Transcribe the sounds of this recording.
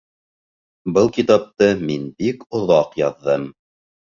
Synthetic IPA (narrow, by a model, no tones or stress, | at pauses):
bɤlˠkit̪ɑp̚t̪ɤminbikŏðɑqjɑðːɤm